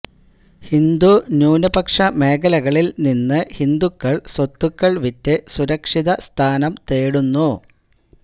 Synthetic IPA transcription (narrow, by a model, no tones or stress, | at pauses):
hind̪unjuːnɐbɐkʂɐme̞ːkɐlɐɣɐɭilninːɨhind̪ukːɐɭsot̪ːukːɐɭʋitːɨsuɾɐkʂiðɐst̪ʰaːnɐmt̪eːɽunːu